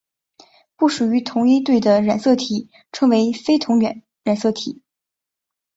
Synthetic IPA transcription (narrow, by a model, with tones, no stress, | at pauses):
pu˥˩ʂu˨˩y˧˥t̪ʰʊ˧˥ŋi˥t̪we˥˩ɪd̪ə˩ɻa˨˩nsɤ˥˩t̪ʰi˨˩ | ʈ͡ʂʰɤ˧˥ŋwe˧˥ɪfe˥ɪt̪ʰʊ˧˥ŋɥɛ˧˥˦n | ɻa˨˩nsɤ˥˩t̪ʰi˨˩˦